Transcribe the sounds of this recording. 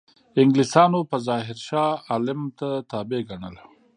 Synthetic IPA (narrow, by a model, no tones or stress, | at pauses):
ɪŋɡlisɑnopəzɑɦɪɾʃɑːlɪmt̪at̪ɑbeɡaɳəla